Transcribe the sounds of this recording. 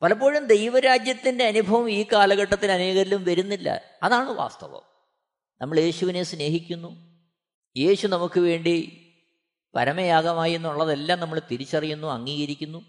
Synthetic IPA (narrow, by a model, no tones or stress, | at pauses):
pɐlɐp̬ːo̞ːɻumd̪e̞jʋɐɾaːd͡ʑjɐt̪ːinde̞ɐnubʱɐʋɐmiːkaːlɐɣɐʈːɐt̪ːilɐneːɣɐɾilumʋɐɾunːilːɐ̰ | ɐðaːɳɨʋa̰ːst̪ɐ̰ʋɐ̰m | nɐmːɐɭje̞ːɕuʋinesne̞ːɦikʲːunːu | je̞ːɕunɐmukːɨʋe̞ːɳɖi | pɐɾɐmɐjaːɡɐmaːjunːuuɭːɐðelːaːmnɐmːɐɭt̪iɾit͡ɕːɐrijunːuɐŋːiːɣɐɾikʲːunːu